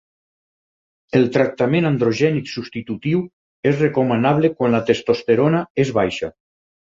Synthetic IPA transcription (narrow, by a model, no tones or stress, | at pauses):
elˠt̪ɾak̚t̪amẽnand̪ɾoʒɛniksust̪it̪ut̪iw | ezrekomənaβ̞lekwanlat̪est̪ost̪eɾonaezβajʃa